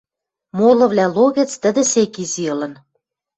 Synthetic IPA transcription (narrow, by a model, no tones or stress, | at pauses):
molɤ̆βlʲæloɣĕt͡st̪ə̆d̪ĕsekiziɤ̆lɤ̆n